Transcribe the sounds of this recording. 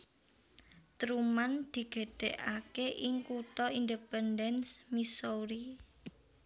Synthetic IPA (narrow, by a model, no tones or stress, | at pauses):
t̪ɾumand̪̥i̤ɡ̥e̤ɖ̥ɛ̤ʔakeʔɪŋkut̪ɔind̪epɛndɛnsmisoɾi